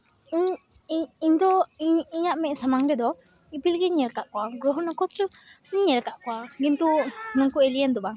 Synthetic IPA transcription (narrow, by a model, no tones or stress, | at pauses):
iɲ | iɲd̪ɔiɲaʔmɛʔsamaŋɾɛd̪ɔ | ipilɡɛɲɛlkaʔkɔaɡɾɔɦɔnakɔt̪ɾəɲɲɛlkaʔkɔwaɡint̪unɔŋkueliɛnd̪ɔbaŋ